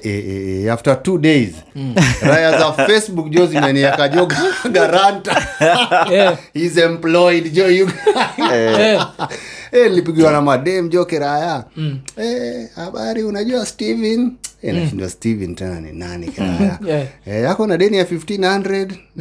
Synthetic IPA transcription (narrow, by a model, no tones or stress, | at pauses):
ɛɛɛaftatuɗeiz | ɾajazafɛsɓukd͡ʒɔzimɛniakaʄɔɡaɡaɾanta | izɛmplɔidd͡ʒɔjuɡ | ɛnilipiɡiwanamaɗɛm̩ʄɔkɛɾaja | ɛhaɓaɾiunaʄuastivinḭnaʃindiwastivintɛna̰nḭna̰nḭkɛɾa̰ja̰ɛjakɔnaɗɛniafiftinhandɾɛd